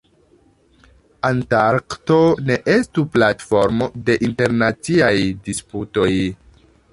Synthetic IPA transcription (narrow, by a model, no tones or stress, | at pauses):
antaɾkto̞ne̞ʔestuplatfo̞ɾmo̞de̞ʔinte̞ɾnat͡siajdisputo̞j